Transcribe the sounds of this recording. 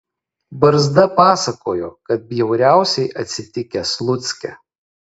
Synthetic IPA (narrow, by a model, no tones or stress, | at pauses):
bɐɾzd̪ɐpɑːsɐkoːjoːkɐt̪̚bʲjɛʊɾʲæˑʊsʲɛɪʔɐt̪ʲsʲɪt̪ʲɪkʲɛslˠʊt̪sʲkʲɛ